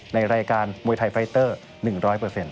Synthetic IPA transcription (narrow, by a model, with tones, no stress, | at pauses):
na˧jɾaː˧jkaː˧nmu˧jt̪ʰa˧jfʰɾa˧˥jt̪ɤː˥˩ | nɯ˨˩ŋɾɔː˦˥jpɤː˨˩se˧n